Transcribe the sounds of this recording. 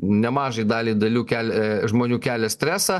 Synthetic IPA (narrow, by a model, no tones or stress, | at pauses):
nʲɛmɑːʒɐɪd̪ɑːlʲid̪ɐlʲuːkʲæːlʲʒmoːnʲuːkʲæːlʲɛsʲt̪ʲɾʲæːsɑː